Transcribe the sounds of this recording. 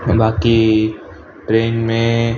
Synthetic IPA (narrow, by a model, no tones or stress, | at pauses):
bʱaːki | ʈɾeːnmẽ